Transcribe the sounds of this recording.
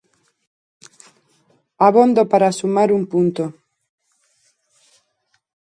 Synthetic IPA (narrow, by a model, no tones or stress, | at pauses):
aβond̪opaɾasumaɾumpunt̪o